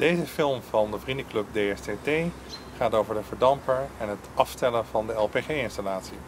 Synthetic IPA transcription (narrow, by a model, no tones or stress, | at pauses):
d̥ejzəfɪlˠmvɑndəvrindəklɵp̚dejɛstetej | χaːtowvəɹdəvəɹdɑmpəɹɛnɦətʔɑfstɛləvɑndəɛlˠpeχeːɪnstalaːtsi